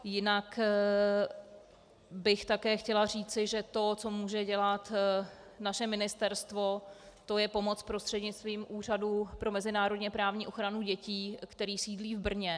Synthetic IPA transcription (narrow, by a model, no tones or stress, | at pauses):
jɪnak | bɪxt̪akɛːxcɛlar̝iːt͡sɪʒɛt̪o̞t͡so̞muːʒɛɟɛlat̪ | naʃɛmɪnɪst̪ɛɾst̪vo̞t̪o̞jɛpo̞mo̞t͡spɾo̞st̪r̥ɛdɲɪt͡st̪viːmʔuːr̝adupɾo̞mɛzɪnaːɾo̞dɲɛpɾaːvɲiːʔo̞xɾanuɟɛciːkt̪ɛɾiːsiːdliːvbr̩ɲɛ